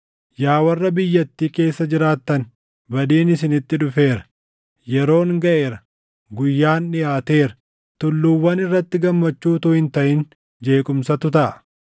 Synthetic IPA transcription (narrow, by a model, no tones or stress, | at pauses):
jaːwɐrːɐbɪjːɐt̪ːiːke̞ːsːɐd͡ʒɪɾaːt̪ːɐn | bɐd̪iːnɪsɪnɪt̪ːɪᶑʊfe̞ːɾɐ̥ | jɛɾo̞ːŋɡɐʔe̞ːɾɐ | ɡʊjːaːnᶑɪjaːt̪e̞ːɾɐ̥ | t̪ʊlːuːwːɐnɪrːɐt̪ːɪɡɐmːɐt͡ʃːuːt̪ʊhɪnt̪ɐʔɪn | d͡ʒe̞ːkʼʊmsɐt̪ʊt̪ɐʔɐ